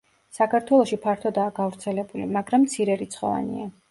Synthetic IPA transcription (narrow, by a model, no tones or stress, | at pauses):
sakʰaɾt̪ʰwɛlˠɔʃipʰaɾt̪ʰɔd̪aːɡavɾt̪sʰɛlɛbulḭmaɡɾamːt̪sʰiɾɛɾit̪sχɔ̰va̰nḭa